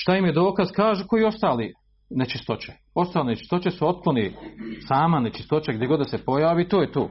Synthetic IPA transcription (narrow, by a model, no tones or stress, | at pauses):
ʃt̪ajimjed̪o̞ːkaz̥kaːʒuko̞iːo̞st̪aːli | net͡ʃist̪o̞t͡ɕe̥ | o̞st̪aːlinet͡ʃi̥st̪o̞t͡ʃesuo̞t̪̚klˠonisaːmanet͡ʃi̥st̪o̞t͡ʃeɡd̪jeɡo̞d̪d̪asepo̞jaːʋiːt̪oːjet̪o̰ː